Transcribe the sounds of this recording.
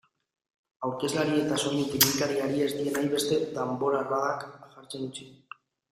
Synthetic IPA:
awɾke̞zlaɾie̞t̪aso̞jet̪imink̪aɾiaɾie̞zd̪ie̞najβ̞e̞st̪e̞d̪embo̞ɾaraðakɣaɾt͡senut͡si

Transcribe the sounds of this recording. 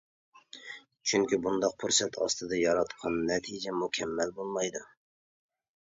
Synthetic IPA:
t͡ʃʰyŋkʲibund̪ɑq̚pʰuɾsɛt̪ʰɑ̰st̪ɨd̪ɑjɑɾɑt̪qʰɑnːɛt̪ʰid͡ʒɛmukʲʰɛmːælbolˠmɑjd̪u

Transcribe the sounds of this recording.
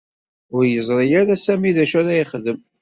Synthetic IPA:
ʊɾjəzˤɾˤijaɾæsæmiðæʃæɾæjəχðəm

